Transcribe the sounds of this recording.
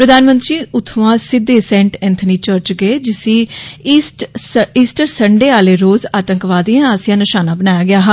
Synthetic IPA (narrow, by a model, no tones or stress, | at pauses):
pɾəd̪ʱaːnmə̃nt̪ɾiːʔʊt̪ʰʋãːsɪd̪ːeːsɛ̃ːɳʈɛ̃nt̪ʰniːt͡ʃəɾt͡ʃɡəeːd͡ʒɪsiːsʈiːsʈəɾsəɳɖeːaːleːɾoːzaːt̪əŋkʋaːd̪iãːaːsɪjãːnɪʃaːnaːbənaːjaːɡɪaːɦaː